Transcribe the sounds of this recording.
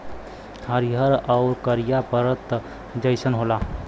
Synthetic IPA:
həɾiɦəɾaʊɾkəɾijapəɾət̪ | d͡ʒəɪsənɦola

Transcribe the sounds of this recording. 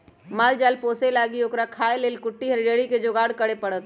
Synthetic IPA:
maːld͡ʒaːlpoːselaːɡioːkɾakʰaːeleːlkʊʈːiɦəɾɖəɽiked͡ʒoɡaːɽkəɽepəɽət̪

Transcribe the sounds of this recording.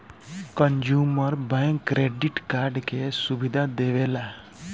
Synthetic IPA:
kənd͡ʒuːməɾbɛ̃ŋkːɾeːɖiʈkaːɾɖkesubid̪ʱad̪eʋeːla

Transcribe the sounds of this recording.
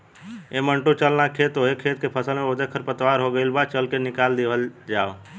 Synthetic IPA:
emə̃ɳʈũt͡ʃəlnakʰeːt̪ɦoekʰːeːt̪̚kepʰəsəlmẽod̪ekʰəɾpət̪ʋaːɾɦoɡəilbaːt͡ʃəlkenɪkaːld̪eʋəld͡ʒaːo

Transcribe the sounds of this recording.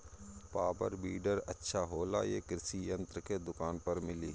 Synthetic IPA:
paːbə̰ɾbiːɖəɾə̰tːʃʰaɦoːla̰ːjeːkɾɪsijə̃nt̪ɾəked̪ʊkaːnpəɾmɪliː

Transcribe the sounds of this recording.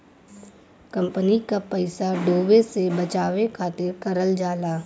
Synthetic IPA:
kɐ̃mpənikapɛɪsaɖoːʋesebət͡ʃaːʋekʰaːt̪ɪɾkɐɾəld͡ʒaːlaː

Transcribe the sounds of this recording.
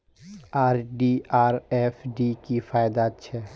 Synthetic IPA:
aːɾɖiaːɾɛfɖikifaːjd̪at͡ʃʰɛ

